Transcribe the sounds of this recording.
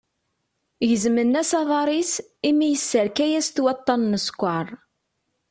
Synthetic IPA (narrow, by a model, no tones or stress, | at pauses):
ʝəzmənːæsɑðˤɑɾˤis | imijəsːəɾkæjæst̪wɑt̪ˤːɑnːəskʷːɑɾˤ